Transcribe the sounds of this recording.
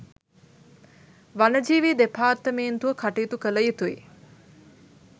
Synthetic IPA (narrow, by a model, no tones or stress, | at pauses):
ʋanəd͡ʒiːʋiːd̪epaːt̪ːəmeːnt̪uʋəkʰaʈijt̪ukələjit̪uḭ